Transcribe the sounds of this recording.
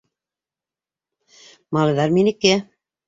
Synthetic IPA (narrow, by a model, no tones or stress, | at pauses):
mɑlˠɤ̆jðɑɾminɘ̆kːɘ